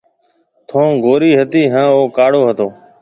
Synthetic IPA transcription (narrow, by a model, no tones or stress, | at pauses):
t̪ʰõːɡʱoːɾiːɦət̪iːɦãːoːkaːɽoːɦət̪oː